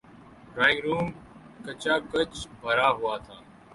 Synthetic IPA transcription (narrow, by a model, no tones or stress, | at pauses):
ɾaːɪ̃ɡɾuːm | kət͡ʃaːkət͡ʃbʱəɾaːɦʊaːt̪ʰaː